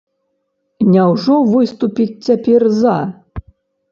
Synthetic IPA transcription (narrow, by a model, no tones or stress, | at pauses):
nʲɛwʐɔvɨst̪upʲit̚ʲːapʲɛrza